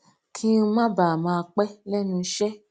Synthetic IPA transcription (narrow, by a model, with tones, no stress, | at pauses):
kʰĩ˦ũ˦mã˦ba˨mã˧a˧k͡pɛ˦lɛ˦nũ˧˦ʃɛ˦